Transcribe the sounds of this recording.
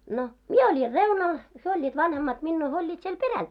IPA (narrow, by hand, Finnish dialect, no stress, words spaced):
no mie olʲir reunɑl hyø olʲːiːt ʋɑnhemːɑt minːuː hyø olʲːiːt siel peræl